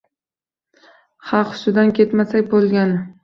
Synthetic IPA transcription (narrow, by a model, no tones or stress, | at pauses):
χɑqʊ̥sʊd̪ankʲʰe̞t̪masak̚ʲbolˠɡʲan